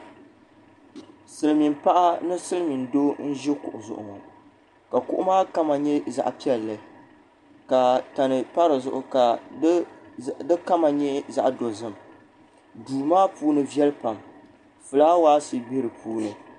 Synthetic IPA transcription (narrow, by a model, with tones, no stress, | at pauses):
sɨ˨lɨ˨mi˨mpa˦ʔa˦nɨ˦sɨ˦lɨ˦mi˨ndo˦n̩˦ʒɛ˦kʊ̰˨ʔʊ˨zʊ̰˨ʔʊ̰˨ŋɔ˨ | ka˨kʊ̰˦ʔʊ˦maː˦ka˦ma˨ɲɛ˦za̰˨ʔpi˦ɛ˨lːɨ˨ | ka˨ta˨nɨ˨pa˦ɾɨ˨zʊ̰˨ʔʊ˨ka˨˦ | dɨ˦ka˦ma˨ɲɛ˦za̰˦ʔdo˨zɨ˦m | duː˨maː˦puː˦nɨ˦vjɛ˦lpa˨m | fɨ˨laː˦waː˦si˨be˦ɾɨ˨pʰuː˦nɨ˨